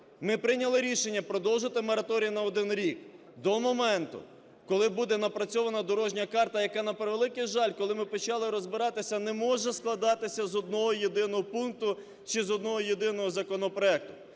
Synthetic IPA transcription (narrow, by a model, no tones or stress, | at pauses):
mɪpɾɪnʲɐlˠɪɾʲiʃenʲːɐpɾɔd̪ɔwʒɪt̪ɪmɔɾɐt̪ɔɾʲijinɐɔd̪ɪnɾʲik | d̪ɔmɔmɛnt̪ʊ̰ | kɔlˠɪbud̪ɛnɐpɾɐt͡sʲɔʋɐnɐd̪ɔɾɔʒnʲɐkɑrt̪ɐjɐkɑnɐpɾeʋelˠɪkɪjʒɑlʲkɔlˠɪmɪpɔt͡ʃɑlˠɪɾɔzbɪɾɑt̪ɪsʲɐnɛmɔʒɛsklˠɐd̪ɑt̪ɪsʲɐzɔd̪̚nɔɦɔjed̪ɪnɔɦɔpunk̚t̪ʊ | t͡ʃizɔd̪̚nɔɦɔjed̪ɪnɔɦɔzɐkɔnɔpɾɔɛk̚t̪ʊ̥